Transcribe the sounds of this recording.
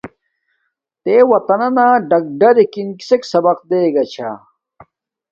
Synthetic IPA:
t̪eːwɐt̪ɐnɐnaːɖɐk̚ɖɐɾikinki̥seksɐbɐq̚d̪eːɡɐt͡ɕʰa̰

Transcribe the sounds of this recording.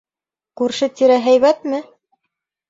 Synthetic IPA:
kʉɾʃɘt̪iɾæɦæjβæt̪mɘ

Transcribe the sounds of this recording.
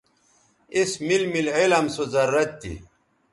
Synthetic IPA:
ismilmilelɐmsozɐɾːɐt̪̚t̪ːḭ

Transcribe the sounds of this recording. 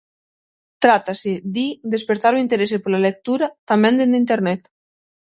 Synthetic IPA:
t̪ɾat̪ased̪id̪espeɾt̪aɾuint̪eɾesepeɾlalek̚t̪uɾat̪ambɛnd̪enint̪eɾnɛt̪

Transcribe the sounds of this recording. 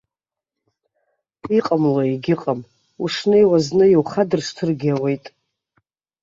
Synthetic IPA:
iqʼamlaiɡʲɪqʼam | uʂnejwaznɨjiwχadɨrʂtʰɨrɡʲawe̞jtʼ

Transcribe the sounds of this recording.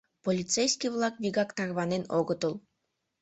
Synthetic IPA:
polʲit̪t͡sejsʲkʲivlˠɑkβʲiɡɑkt̪ɑrβɑnenoɡɤ̆t̪ɤ̆lˠ

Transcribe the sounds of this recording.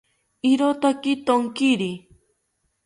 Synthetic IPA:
iɾot̪akit̪oŋkiɾi

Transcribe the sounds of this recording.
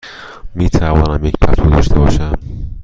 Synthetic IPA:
miːt̪ʰævɒːnæmjecpʰæsud̪ɒːʃt̪ʰebɒːʃæm

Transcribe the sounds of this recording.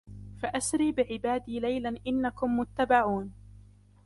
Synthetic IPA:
faʔasɾiːbɪʕɪbaːd̪iːlajlanʔɪnːakʊmːʊt̪ːabaʕuːn

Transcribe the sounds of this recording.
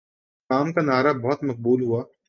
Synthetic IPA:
aːmkanaːɾabɔɦʊt̪mɐq̚buːlɦuaː

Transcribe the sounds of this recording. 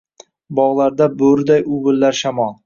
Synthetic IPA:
bɒʁlˠaɾd̪abɵɾd̪ajʊbɪlːaɾʃamɒlˠ

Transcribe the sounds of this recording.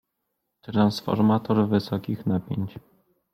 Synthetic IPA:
t̪ɾansfɔ̰ɾmat̪ɔɾvɘsɔkʲixnapʲjeɲt͡ɕ

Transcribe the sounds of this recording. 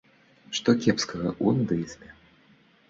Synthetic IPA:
ʂt̪ɔkʲɛpskɐɣɐ̰ʔund̪ɨsʲmʲɛ

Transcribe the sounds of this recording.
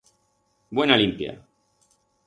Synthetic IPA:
bwenalimpja̰

